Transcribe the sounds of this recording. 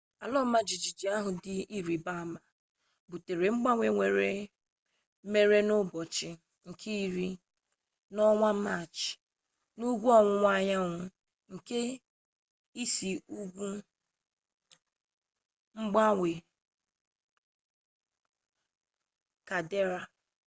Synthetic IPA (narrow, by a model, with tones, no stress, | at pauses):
a˨lɔ˦ma˦d͡ʒi˨d͡ʒi˨d͡ʒi˨a˦ɦʊ˨dɪ˦i˦ɾi˨ba˦˨ma˨ | bu˨te˨ɾe˨ŋ͡m̩˦ɡ͡ba˦wʷe˨ŋʷe˨ɾe˨ | me˦ɾe˦nʊ˦bɔ˨t͡ʃɪ˨ | ŋ̩˨kʰi˦i˦ɾi˦ | nɔ˦ŋʷa˦ma˨t͡ʃɪ̥˨ | nu˦ɡʷu˦ɔ˨ŋʷʊ˨ŋʷa˦ɲa˦ŋʷʊ˨ | ŋ̩˨ke˦ | i˦si˨u˦ɡʷu˦ | ŋ͡m̩˦ɡ͡ba˦wʷe˨ | ka˨de˦ɾa˨